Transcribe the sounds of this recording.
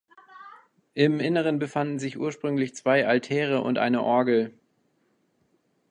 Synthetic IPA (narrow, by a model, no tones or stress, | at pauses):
ʔɪmʔɪnəʁ̞ənbəfandn̩zɪçʔṵːɐʃpʁ̥ʏŋlɪçt͡sv̥aɪʔaltʰɛːʁ̞əʔʊ̰ntʔa̰ɪnəʔɔɐɡl̩